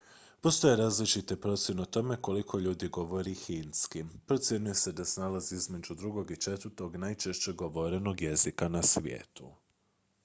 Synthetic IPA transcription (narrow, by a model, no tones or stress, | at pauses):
po̞st̪o̞jeɾaːzlit͡ʃit̪ipɾo̞t̪sje̞neot̪o̞me̞ko̞likʰo̞ʎuːd̪iɡo̞ʋo̞ɾixinskipɾo̞t̪sje̞nuje̞se̞d̪asenalaziizme̞d͡ʒud̪ɾuɡo̞ɡit͡ʃe̞t̪əɾt̪o̞ɡnajt͡ʃe̞ʃt͡ɕe̞ɡo̞ʋo̞ɾe̞no̞ɡje̞zikanasʋʲjḛːt̪u